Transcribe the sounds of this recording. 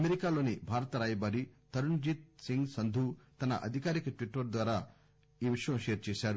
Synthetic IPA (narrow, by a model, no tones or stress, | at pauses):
ɐmeɾikaːlo̞ːnibʱaːɾɐt̪ɐɾaːjɐbaːɾit̪ɐɾuɳd͡ʒit̪̚siŋɡsɐnd̪ʱut̪ɐnɐ̰ʔɐ̰d̪ʱikaːɾikɐʈʋiʈːɐɾd̪ʋaːɾaː | iːʋiʂɐjɐmʃeːɾt͡ʃɛːʃaːɾu